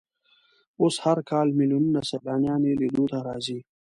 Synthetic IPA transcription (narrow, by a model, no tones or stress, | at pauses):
oshaɾkaːlmilunnasɐlaːnjaːnilid̪uːt̪aɾaːziː